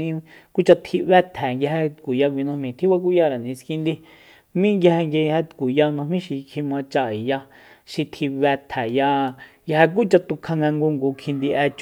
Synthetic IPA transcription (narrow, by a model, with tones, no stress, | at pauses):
ĩ˦ku˦t͡ʃa˧t̪ʰi˧βɛ˦t̪ʰɛ˨ŋɡʲa˧he˧t̪kʷu˨ja˧k̬ʷi˧nã˧mĩ˧˨t̪ʰi˦βa˧k̬u˦ja˦˧˨ɾa˨nĩ˨˧skĩ˧nd̪i˦ | mĩ˦ŋɡja˧he˧ŋɡe˧hɛ˧t̪kʷu˨ja˧nã˧mĩ˦ʃi˧kʰi˧mã˧t͡ʃa˧˨i˨ja˧ | ʃi˧t̪ʰi˧βɛ˧t̪ʰɛ˨ja˧ŋɡa˧e˧k̬u˦t͡ʃa˧t̪u˧kʰa˧ŋɡa˧ŋɡu˧ŋɡuː˨˧kʰĩ˧nd̪i˧ʔɛ˧t͡ʃ